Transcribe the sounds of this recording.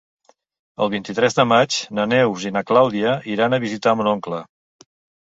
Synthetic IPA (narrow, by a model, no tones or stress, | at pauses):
ə̰lˠβint̪it̪ɾɛzðəmat͡ʃnənɛwzinəklawðiəiɾanəβizit̪amunɔŋklə